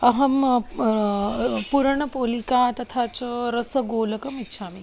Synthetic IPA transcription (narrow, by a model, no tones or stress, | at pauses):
ɐɦɐm | puɾəɳ̃əpoːlikaːt̪ɐt̪ʰaːt͡ʃɾɐsəɡoːlɐkɐmɪtːʃʰaːmi